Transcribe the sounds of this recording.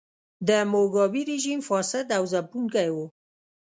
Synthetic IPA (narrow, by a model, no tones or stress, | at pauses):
d̪əmoɡɑbiɾeʒimfɑsɪd̪awzapuŋkajwo